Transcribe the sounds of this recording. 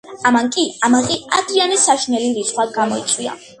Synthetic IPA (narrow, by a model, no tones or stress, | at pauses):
amankʼiamaʁiad̪ɾianisaʃinɛliɾit̪sʰχwaɡamɔ̰ḭt̪sʼwia̰